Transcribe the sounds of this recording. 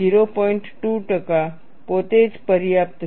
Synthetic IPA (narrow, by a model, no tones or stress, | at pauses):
iːɾopɔːɪ̃ɳʈʈuʈɐka | poːt̪eːd͡ʒpɐɾjaːp̚t̪